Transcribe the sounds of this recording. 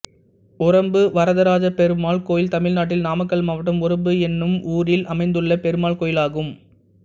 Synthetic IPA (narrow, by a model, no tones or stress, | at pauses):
ʊɾɐmbɯʋɐɾɐðɐɾaːd͡ʒɐpɛɾɯmaːɭkoːjɪlt̪ɐmɪɻnaːʈ̬ːɪlnaːmɐkːɐɭmɐʋɐʈːɐmʊɾɐmbɯɛnːɯmuːɾɪlʔɐmɐɪnd̪ɯɭːɐpɛɾɯmaːɭkoːjɪlaːɣɯm